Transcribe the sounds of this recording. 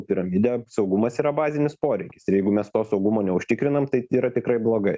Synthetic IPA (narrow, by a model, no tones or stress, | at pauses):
pʲɪɾɐmʲid̪ʲɛsɒʊɡʊmɐsiːɾɐbɑːzʲɪnʲɪspoːɾʲɛɪkʲɪ̥sɪjɛɪɡʊmʲɛst̪oːsɒʊɡʊmoːnʲɛʊʃʲt̪ʲɪkɾʲɪnɐmt̪ɐɪiːɾɐt̪ʲɪkɾɐɪblˠoːɡɐɪ